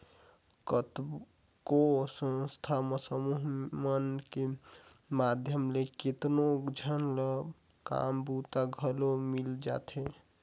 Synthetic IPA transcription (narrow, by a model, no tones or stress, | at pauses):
kət̪ | kosə̃nst̪ʰaməsəmuɦmənke | mad̪ʱjəmleket̪nod͡ʒʱənlə | ka̰mbut̪aɡʱəlomild͡ʒa̰t̪ʰɦe